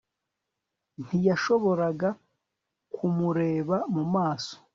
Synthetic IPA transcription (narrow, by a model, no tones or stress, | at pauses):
n̥ijaʃo̞βo̞ɾaɡa | kʰumuɾe̞ːβamumaːso̥